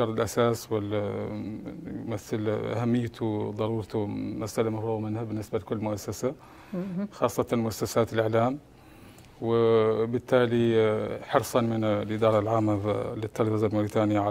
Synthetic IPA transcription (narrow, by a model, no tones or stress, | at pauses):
ɑɾˤɪlʔasaːswɪl | maθalʔa̰hamːɪjːt̪ʰʊd̪ˤɑɾˤuːɾt̪ʊmasʔalamafɾuːɣmanhabɪnːɪsbalkʊlːmʊʔasːasa | xɑːsˤːɑt̪anmʊʔasːasaːt̪ɪlʔɪʕlaːm | wɪbɪt̪ːaːliħɑɾsˤɑnmɪnlʔɪd̪ɑːɾˤɑlʕaːmːalɪt̪ʰːɑɾfɑzalmʊɾiːt̪aːnɪjaʕa